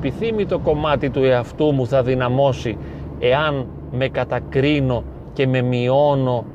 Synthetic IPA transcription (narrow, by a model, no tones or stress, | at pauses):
piθimit̪o̞ko̞mɐt̪it̪ue̞ɐft̪umuθɐðinɐmo̞si | e̞ɐn | me̞kɐt̪ɐkɾino̞ | ce̞me̞mio̞no̞